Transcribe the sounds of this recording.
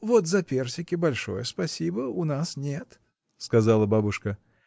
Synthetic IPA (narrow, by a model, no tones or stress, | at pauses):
vot̪zɐpʲersʲɪkʲɪbɐlʲʂo̞̰jəspɐsʲibəʊnasnʲet̪ | skɐzalˠəbabʊʂkə